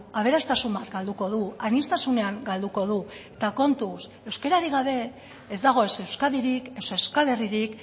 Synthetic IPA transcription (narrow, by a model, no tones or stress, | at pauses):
aβ̞e̞ɾast̪asumbat̪ɡald̪uko̞ð̞uanist̪asune̞aŋɡald̪uko̞ð̞ue̞t̪ako̞nt̪us | e̞wske̞ɾaɾiɣ̞aβ̞e̞ː | zd̪aɣ̞o̞ese̞wskaðiɾikesewskale̞riɾik